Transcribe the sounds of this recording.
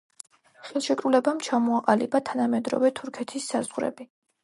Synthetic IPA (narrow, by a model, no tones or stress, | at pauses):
χɛlˠʃɛkʼɾulɛbamt͡ʃʰamɔaqʼalibat̪ʰanamɛd̪ɾɔ̰vɛt̪ʰuɾkʰɛt̪ʰisːazʁɾɛ̰bi